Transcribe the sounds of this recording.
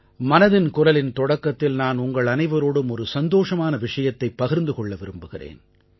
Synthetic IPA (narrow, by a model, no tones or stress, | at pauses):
mɐnɐðɪnkʊrɐlɪnt̪ɔɽɐkːɐt̪ːɪlnaːnʊŋɡɐɭɐnɐɪʋɐɾoːɽɯmɔɾɯsɐnd̪oːʂɐmaːnɐʋɪʂɐjɐt̪ːɐɪpːɐɣɪɾnd̪ɯkɔɭːɐʋɪɾɯmbɯɣɪrḛːn